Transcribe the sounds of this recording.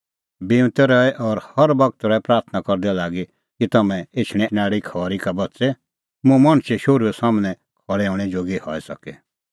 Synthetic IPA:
bɪʋ̃t̪ɛɾɔɛʔɔɾhɐɾbɐɡ̚t̪ɾɔɛpɾaːɾt̪ʰnakɔɾd̪ɛlaːɡi | kit̪ɐmɛ̃et͡ʃʰɽ̃ɛ̃naːɽikʰɔːɾikabɐtːsɛ | mũmɐɽ̃ʃeʃoːɾuosaːmnɛ̃ | kʰɔɭɛɔːɽ̃ɛd͡ʒoːɡihɔ̰ːɛsɐkɛ

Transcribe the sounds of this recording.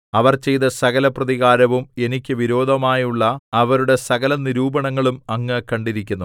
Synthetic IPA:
ɐʋɐrt͡ɕe̞jt̪ɐsɐɣɐlɐprɐðiɣaːɾɐʋume̞nikʲːɨʋiɾo̞ːd̪ʱɐmaːjuɭːɐɐʋɐɾuɽe̞sɐɣɐlɐniɾuːbɐɳɐŋːɐɭumɐŋːɐkɐɳɖiɾikʲːunːu

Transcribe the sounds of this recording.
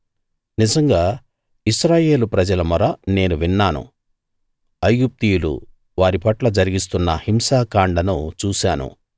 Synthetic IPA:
nizɐŋɡaː | iʃɾaːje̞ːlupɾɐd͡ʒɐlɐmuɾɐne̞ːnuʋinːaːnṵ | ɐjɡup̚t̪ijulṵ | ʋaːɾipɐʈlɐd͡ʒɐɾiɡis̬t̪unːɐhimsaːkaːɳɖɐnut͡ʃuːsaːnṵ

